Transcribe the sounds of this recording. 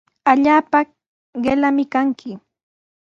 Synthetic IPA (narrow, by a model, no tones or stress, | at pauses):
aʎaːpa | ɢelamɪkaŋkʰɪ